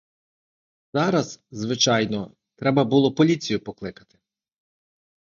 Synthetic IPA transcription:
z̥ɑɾɐzzʋɪt͡ʃɑjnɔ | t̪ɾɛbɐbulˠɔpɔlʲit͡sʲijʊpɔklˠɪkɐ̥t̪ɪ̥

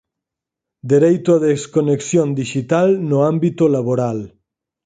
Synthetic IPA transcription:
d̪eɾejt̪oaðeskoneksjond̪iʃit̪alnoambit̪olaβoɾal

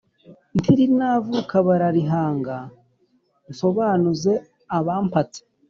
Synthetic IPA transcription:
ntʰiɾinavukaβaɾaɾiɦaːŋɡa | nso̞βaːnuze̞ | aβaːmpat͡se̥

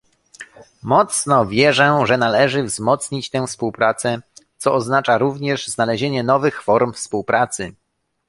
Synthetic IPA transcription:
mɔt̪snɔvʲjɛʐɛʐɛnalɛʐɘvzmɔt̪sɲit͡ɕt̪ɛ̃fspuwpɾat̪sɛt̪sɔɔznat͡ʂaɾuvɲɛʐznalɛʑeɲɛnɔvɘxfɔɾmfspuwpɾʔat̪sɘ

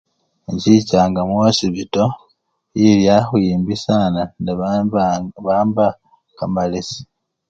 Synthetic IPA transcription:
ɲɟicaːŋɡamwoːsiβito̞ | jiljaxujiːmbisanand | βaːmba | kamalisi̥

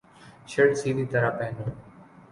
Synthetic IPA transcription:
ʃəɽsiːd̪ʱiːt̪əɾaːpɛɦnoː

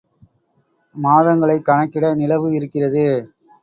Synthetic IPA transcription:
maːðɐŋɡɐɭɐɪkːɐɳɐkːɪɽɐnɪlɐʋɯɪɾɯkːɪrɐðɯ

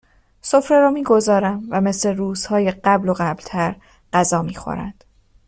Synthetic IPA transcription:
so̞fɾeɾɒːmiːɡo̞zɒːɾæmvæme̞sle̞ɾuːz̥hɒːjeɢæblo̞ɣæblt̪ʰæɾ | ɢ̥æzɒːmiːxo̞̰ɾæ̰nd̪̥

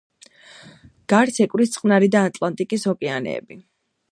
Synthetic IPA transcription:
ɡ̥aɾsɛkʼwɾist̪sʼqʼmnaɾid̪aːt̪ʼlˠant̪ʼikʼishɔkʼɛanɛ̰ːbi

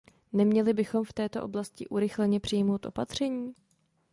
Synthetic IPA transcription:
nɛmɲɛlɪbɪxo̞mft̪ɛːt̪o̞ʔo̞̰blascɪ̰ʔuɾɪxlɛɲɛpr̥ɪjmo̞wt̪ʔo̞̰pat̪r̝̥ɛɲiː

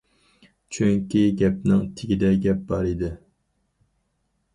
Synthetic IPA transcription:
t͡ʃʰyŋkʲiɡʲɛp̚nɪŋt̪ʰɪɡʲid̪ɛɡʲɛp̚bɑɾid̪ɪ

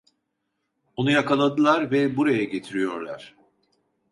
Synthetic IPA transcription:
onujakalˠad̪ɯlˠaɾvɛbuɾajaɟe̞t̪ʰiɾijo̞ɾlˠa̰ɾ̥

